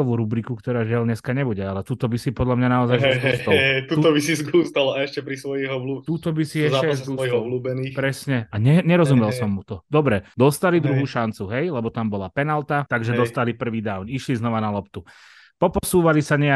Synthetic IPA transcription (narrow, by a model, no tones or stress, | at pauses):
ɔʋuɾubɾikukt̪ɔɾaːʒɪalɲɛskaɲɛbuɟɛalɛt̪uːt̪ɔbisipɔd̪ʎamɲanaɔzajɛsaɛt̪uːt̪ɔbisizɡuːst̪alaɛʃcɛpɾisʋɔjiɦɔʋlut̪uːt̪ɔbisiɛʃɛazɔɔluːbɛniːpɾɛsɲɛaɲɛɲɛɾɔzumɛlˠsɔmːut̪ɔd̪ɔbɾɛd̪ɔst̪alid̪ɾuɦuːʃant͡suɦɛjlɛbɔt̪ambɔlapɛnalt̪at̪aɡʒɛd̪ɔst̪alipr̩ʋiːd̪aʊniʃliznɔʋanalɔpt̪u | pɔpɔsuːʋalisaɲɛa